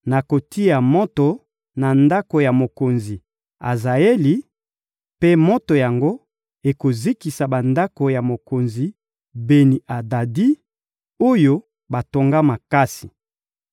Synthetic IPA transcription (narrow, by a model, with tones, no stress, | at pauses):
na˨ko˨ti˦ja˨mo˦to˨ | na˨nda˦ko˨ja˨mo˨ko˨nzi˨ | a̰˨za˨e˦li˦ | pe˦mo˦to˨ja˨ŋɡo˦ | e˨ko˨zi˦ki˨sa˨ba˨nda˦ko˨ja˨mo˨ko˨nzi˨ | be˨ni˨a˨da˨di˦ | o˦jo˦ | ba˨to˨ŋɡa˦ma˨ka˦si̥˨